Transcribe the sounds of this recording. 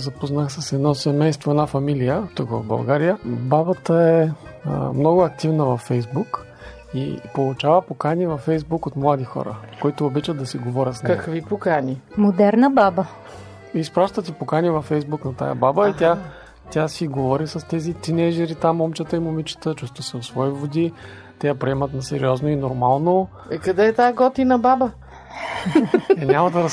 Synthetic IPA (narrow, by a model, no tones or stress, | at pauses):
zɐpoznaxsɐsɛd̪nɔsɛmɛjst̪voɛd̪nafɐmilijət̪ukvɐ̰vbɐ̰lˠɡaɾijəbabət̪əɛə̰mnɔɡʊɐk̚t̪ivnəvɐfːɛjzbuk | ḭpolˠut͡ʃavəpokanʲivɐfːɛjzbukot̪mlˠad̪ixɔ̰ɾə̰koit̪ʊːbit͡ʃəd̪ɐsiɡovɔɾʲət̪snkɐkvipokanʲimod̪ɛɾnəbabə | ispɾaʃt̪ət̪ipokanʲivɐfːɛjzbuknɐt̪a̰jə̰babəit̪ʲa | t̪ʲjasiɡovɔɾisɐst̪ɛzit̪inɛʒɛɾit̪amɔmt͡ʃət̪əimomit͡ʃə̥t̪ət͡ʃust̪vəsɛot̪svɔivod̪i | t̪ɛjəpɾiɛmɐt̪nɐsɛɾiɔznoinoɾmalˠno | ikɐd̪ɛːt̪aɡɔt̪inɐbabə | ɛnʲamɐd̪ɐɾɐs